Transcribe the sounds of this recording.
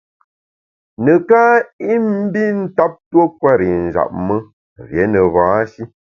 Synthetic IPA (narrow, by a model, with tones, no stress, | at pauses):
nə˨ka˦i˦m̩˦bi˦n̩˦ta˦p̚two˦kwa˦˨ɾi˨n̩˨za̰˨p̚mə˦ | vje˨˦nə˨vãː˨˦ʃi˦